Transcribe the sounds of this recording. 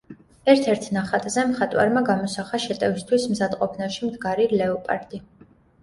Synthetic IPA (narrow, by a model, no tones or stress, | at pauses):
ɛɾt̪ʰɛɾt̪ʰnaχat̪ʼzɛmχat̪ʼwa̰ɾmaɡamɔsaχaʃɛt̪ʼɛvist̪ʰwismzad̪qʼɔpʰnaʃimd̪ɡaɾilɛɔpʼa̰ɾt̪ʼi